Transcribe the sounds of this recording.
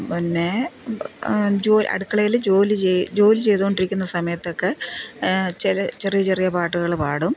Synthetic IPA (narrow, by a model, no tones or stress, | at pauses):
minːe̞ | d͡ʑoːlɐ̰ɽukːɐɭɐjild͡ʑo̞ːlit͡ɕed͡ʑo̞ːlit͡ɕe̞jt̪uɣo̞ɳɖiɾikʲːunːɐsɐmɐjɐt̪ːo̞kːe | t͡ɕelɐt͡ɕerijɐt͡ɕerijɐpaːʈːuɣɐɭpaːɽum